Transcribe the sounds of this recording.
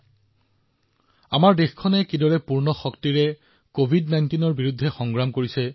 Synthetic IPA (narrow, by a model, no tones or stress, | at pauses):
amaɹdexkʰɔnɛkidɔɹɛpuɹnɔxɔktiɹɛ | kobʱidnajntinɔɹbiɹudʱːɛxɔŋɡɹamkoɹisɛ